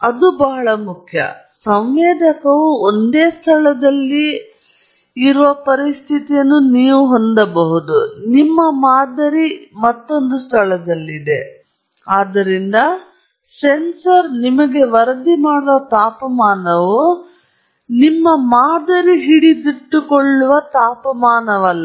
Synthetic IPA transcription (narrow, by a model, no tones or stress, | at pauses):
ɐd̪ubɐɦɐɭɐmukʰjɐ̰ | sɐmʋɛːd̪ʱɐkɐʋuond̪eːst̪ʰɐɭɐd̪ɐlːi | ɾuʋɐpɐɾist̪ʰit̪ijɐnːuniːʋuɦo̞nd̪ɐbɐɦud̪unimːɐmaːd̪ɐɾimɐt̪ːo̞nd̪ust̪ʰɐɭɐd̪ɐlːid̪e̞ | aːd̪ɐɾind̪ɐ | sensɐɾnimɐɡe̞ʋɐɾɐd̪imaːɽɐʋɐt̪aːpɐmaːnɐʋu | nimːɐmaːd̪ɐɾiɦiɽid̪iʈːukoɭːuʋɐt̪aːpɐmaːnɐʋɐlːɐ